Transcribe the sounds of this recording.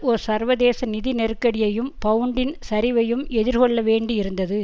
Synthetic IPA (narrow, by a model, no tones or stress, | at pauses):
ɔɾɯsɐɾʋɐðeːsɐnɪðinɛɾɯkːɐɽɪjɐjɯmpɐʋɯɳɖɪnsɐɾɪʋɐjɯmɛðɪɾkɔɭːɐʋeːɳɖiɪɾɯnd̪ɐðɯ